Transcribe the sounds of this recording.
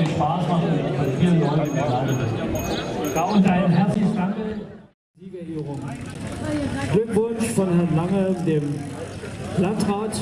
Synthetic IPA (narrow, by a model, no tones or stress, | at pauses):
iʃpaːsmaχnafinɔan | ɡ̥aʊnzaɪnɦɛɐt͡slɪçəsd̥aŋkə | ziːbəiʁʊm | ɡ̥lʏkv̥ʊnʃfɔnhɛɐnlaŋədeːm | lantʁaːt